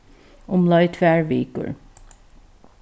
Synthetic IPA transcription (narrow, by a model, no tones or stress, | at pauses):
ʔʊmlɑɪt̪fæːɹʋiːkə̰ɹ